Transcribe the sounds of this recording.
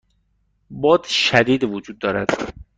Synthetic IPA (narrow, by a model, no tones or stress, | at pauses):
bɒːd̪ʃæd̪iːd̪vod͡ʒuːd̪ːɒːɾæd̪̥